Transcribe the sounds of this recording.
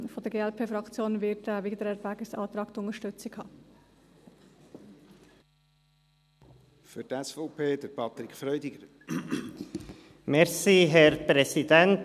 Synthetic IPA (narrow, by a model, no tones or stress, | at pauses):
fɔd̥̪əɾɡeːɛlpʰeːfɾɑkt͡sjoːnvɪtɛʋeːɡəd̪əɾɛɾbæːɡəsɑ̰ːt̪ɾɑːkt̪ʊnəʃtʏt͡sɪkhɑː | fʏɾtɛsfɔpʰeːd̥̪əɾpʰɑt̪ɾɪkfɾœʏdɪɡ̥əɾ | mɛɾsiːɦɛɾpɾɛsidɛnt